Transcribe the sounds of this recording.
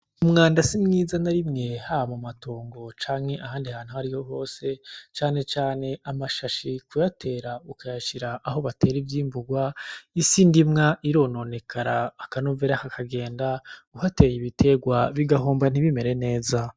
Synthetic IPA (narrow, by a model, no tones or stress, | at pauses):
umŋaːndasimŋiːzanaɾimŋe̞haamumato̞ːŋɡo̞t͡ʃaːmŋe̞ʔahaːndiahaːn̥huhaɾiho̞ɦo̞ːse̞t͡ʃaːne̞t͡ʃaːne̞ʔamaʃaʃikujatʰe̞ːɾaukʰajaʃiɾaʔːho̞βate̞ːɾivjiːmbuɡwaisindimŋaʔiɾo̞no̞ːne̞kʰaɾaːkanoveɾakakʰaɡe̞ːndauhate̞ːjiβitʰe̞ɡwaβiɡaɦoːmban̥iβime̞ɾe̞ne̞ːza